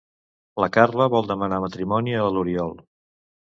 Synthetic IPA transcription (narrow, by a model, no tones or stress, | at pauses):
ləkarləβɔlˠd̪əmənamət̪ɾimɔniəluɾiɔlˠ